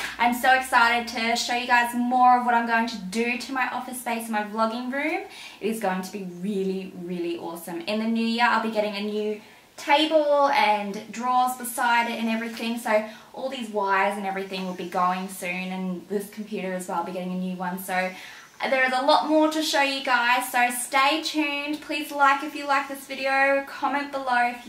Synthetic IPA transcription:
ãɪ̃msoʊɨksaɪɾɨd̚tʰɨʃoʊjɨɡaɪzmɔɹʌvwʌɾãɪ̃mɡoʊɪ̃ŋtʰɨdɨɾɨmaɪʔɔfɨsb̥eɪsnmaɪblʌɡɪ̃ŋɹʉ̃m | ɨɾɨzɡoʊɪ̃ŋtʰəbiɹɪlˠiɹɪlˠiʔɔ̰sə̃mɨ̃nðɨniɾiəa̰ɪlˠbiɡɛɾɪ̃ŋɨnjʉ | tʰeɪbl̩ˠɨ̃ndɹɔzbəsaɪɾɨɾɨ̃nɛvɹiθɪ̃ŋsoʊʔɔlˠðizwaɪə˞zɨ̃nɛvɹiθɪ̃ŋwɨlˠbiɡoʊɪ̃ŋsʉ̃nɨ̃nðɪskʰm̩pʰj̥ʉɾə˞ɨzwɛlˠaɪlˠbiɡɛɾɪ̃ŋɨnjʉwʌ̃nsoʊ | ðə˞ɨzəlɔt̚mɔɹɾɨʃoʊjɨɡaɪz̥soʊsteɪtʰʉ̃npʰl̥izlaɪkɨfjɨlaɪk̚ðɪsvɪɾioʊkʰɑmɛ̃nb̥əloʊf

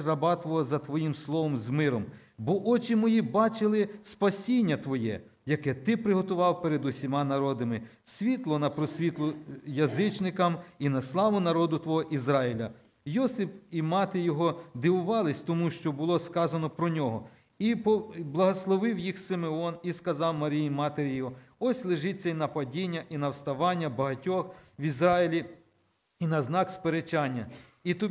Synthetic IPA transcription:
rɐbɑt̪ʋɔɦɔzɐt̪ʋɔjimslˠɔʋɔmzmɪɾɔm | bɔʔɔt͡ʃimɔjibɑt͡ʃɪlˠɪspɐsʲinʲːɐt̪ʋɔjɛ̰ | jɐkɛt̪ɪpɾɪɦɔt̪ʊʋɑwpeɾed̪ʊsʲimɑnɐɾɔd̪ɐmɪ | sʲʋʲit̪lˠɔnɐpɾɔsʲʋʲit̪lˠʊjɐzɪt͡ʃnɪkɐminɐslˠɑʋʊnɐɾɔd̪ʊt̪ʋɔɦɔʔizɾɑɪlʲɐ | jɔsɪpimɑt̪ɪjɔɦɔd̪ɪʋʊʋɑlˠɪsʲt̪ɔmuʃt͡ʃɔbʊlˠɔskɑzɐnɔpɾɔnʲɔɦɔ | ipɔblˠɐɦɔslˠɔʋɪwjixsɪmeɔniskɐzɑwmɐɾʲijimɑt̪eɾʲijɦɔɔsʲlˠɪʒɪt͡sʲːɐinɐpɐdʲinʲːɐʔinɐwst̪ɐʋɑnʲːɐbɐɦɐtʲɔxʋizɾɑjilʲi | inɐznɑkspeɾet͡ʃɑnʲːɐ | it̪ɔ

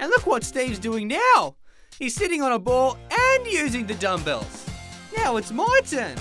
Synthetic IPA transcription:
ɨ̃nlʊkwʌtstivzdʉɪ̃ŋnaʊ | hiz̥sɪɾɪ̃ŋə̃nəbɔɹɨ̃njʉzɪ̃ŋðɨdʌ̃mbɛ̰lˠz̥naʊɨtsmaɪtʰɜ̃˞m

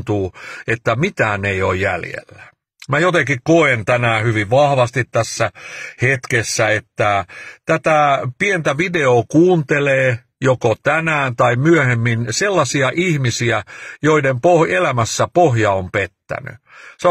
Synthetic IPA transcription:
t̪uːet̪ːæmit̪æːneiojjæ̰ljḛlːæ | mæjot̪ekikkoent̪ænæːhyʋiʋʋɑhʋɑst̪it̪tæsːæhet̪kesːæet̪ːæt̪æt̪æpient̪æʋideoːkuːnt̪eleː | jokot̪ænæːnt̪ɑimyøhemːinselːɑsiɑʔihmisiæjoidempohelæmæsːæpohjɑompet̪ːæ̰ny̰ | se

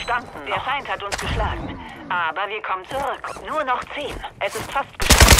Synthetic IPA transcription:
ʃtandn̩d̥eːɐfaɪnthatʊnsɡ̥əʃlaːɡŋ̩ʔaːbɐviːɐkʰɔmənt͡suʁʏknuːɐnɔχt͡seːnʔɛsɪstfastɡ̥əʃ

